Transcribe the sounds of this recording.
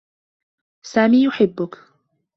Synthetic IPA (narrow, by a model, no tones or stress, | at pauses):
saːmiːjʊħɪbːʊk